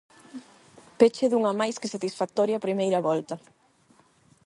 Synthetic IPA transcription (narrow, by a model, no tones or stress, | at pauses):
pet͡ʃeðuŋɐmajskɪsat̪isfak̚t̪ɔɾjɐapɾimejɾɐβɔlt̪ɐ